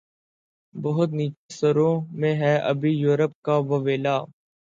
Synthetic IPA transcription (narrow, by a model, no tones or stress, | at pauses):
bəɦʊt̪̬niːt͡ʃesəɾõːmẽːɦɛːʔə̰bʱiːjuːɾəp̚kaːʋəʋeːlaː